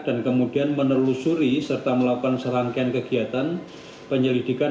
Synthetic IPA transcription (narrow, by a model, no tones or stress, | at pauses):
d̥ankəmudianmənərlusuɾisərt̪aməlakukansəɾaŋkeankəɡiat̪an | pəɲəlidika